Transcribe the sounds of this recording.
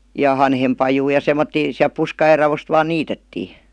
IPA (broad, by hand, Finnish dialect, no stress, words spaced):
jɑ hɑnhempɑjuː jɑ semˑotːiː siæl̆p puskɑjer rɑʋost ʋɑːn niːtetːiː